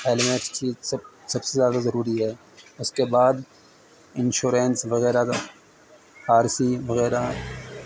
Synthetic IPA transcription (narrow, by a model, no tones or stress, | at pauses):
eːlɪmẽːʈst͡ʃʰiːzsɐbsezjaːd̪azɐɾuːɾiɦɛː | ʊskebaːd̪ | ɪ̃nʃuːɾẽːnsʋɐɣɛːɾa | haːɾsiʋɐɣɛːɾa